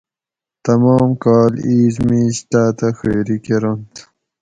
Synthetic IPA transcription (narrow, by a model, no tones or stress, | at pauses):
t̪ɐmɑːmkɑːliːzmmiɕʈaːt̪axeːɾikeɾont̪